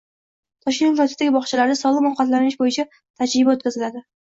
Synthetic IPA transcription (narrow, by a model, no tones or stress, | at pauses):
t̪ʰɒʃɪŋʲɾɒt̪ɪ̥sd̪aɡʲɪbɒχt͡ʃʰalaɾd̪asɒlˠɨmɑqɑt̪lanɪʃbojɪt͡ʃʰa | t̪ʰad͡ʒɾɪbaot̪̚kʲazɪlad̪ɪ